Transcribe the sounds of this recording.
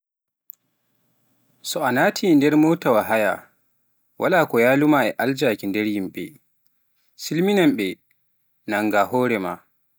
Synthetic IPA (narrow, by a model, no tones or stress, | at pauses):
sɔanatʰiːndɛɾmoːtawaɦaja̰ | wʔalaːkɔjaːlumaɛʔald͡ʒakindɛɾjimɓɛ̰ | silminamɓɛ | naŋɡahɔːɾɛma